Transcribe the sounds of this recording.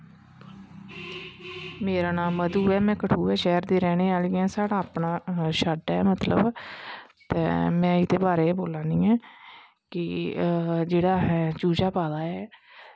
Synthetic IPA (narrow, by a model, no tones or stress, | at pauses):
meːɾaːnãːməd̪uːɛːmɛ̃ːkəʈʰuːɛːʃɛːɾd̪eːɾɛːneːaːliɛ̃ːsaːɽaːpɳaːʃəɖɛːmət̪lə̰b | t̪ɛ̰ːmɛ̃ːɪd̪eːbaːɾeːboːlãːnĩːɛː | kɪ | d͡ʒeːɽaːɦɛːd͡ʒuːd͡ʒaːpaːlaːɛː